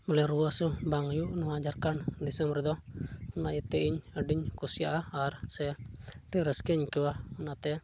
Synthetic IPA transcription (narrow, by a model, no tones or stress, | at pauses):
məlɛɾuasubaŋjuʔnuad͡ʒarkand̪isɛmbrd̪ɔunait̪ɛiɲəɖiɲkusiaʔaːrsɛɾiɾəskɛɲkiwaunat̪ɛ